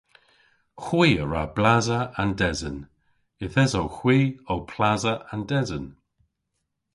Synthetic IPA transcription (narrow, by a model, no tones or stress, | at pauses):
xwiːəɹablazəandɛzən | ɪθɛzowxwiːowpʰlazəandɛzən